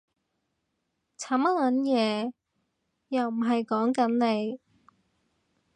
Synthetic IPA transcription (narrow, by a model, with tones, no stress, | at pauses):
t͡sʰaː˨˥mɐ˥lɐ˨˥njɛː˨˧ | jɐ˨wm̩˨˩ɦɐ˨jkɔː˨˥ŋkɐ˨˥nle˨˧j